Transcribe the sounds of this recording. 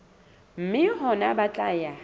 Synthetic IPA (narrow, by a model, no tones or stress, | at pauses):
m̩mɪɦɔnabat͡ɬʼaːja